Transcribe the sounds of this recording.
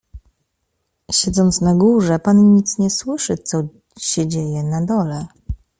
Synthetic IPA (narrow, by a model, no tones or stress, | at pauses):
ɕɛd̪zɔnt̪snaɡuʐɛpanɲit̪sɲɛswɘʂɘt̪sɔ | ɕɛd͡ʑejɛnad̪ɔlɛ